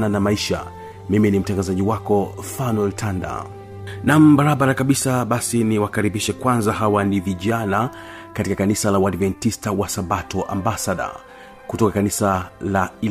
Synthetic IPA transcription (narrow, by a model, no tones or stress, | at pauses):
nanamaiʃa̰ | miminim̩taŋɡazaʄiwakɔfanwɛltʰanda̰ | nam̩baɾaɓaɾakaɓisaɓasiniwakaɾiɓiʃɛkwanzahawaniviʄana | katikakanisalawadvɛntistawasabatɔʔa̰mbasaɗa̰ | kutɔkakanisalai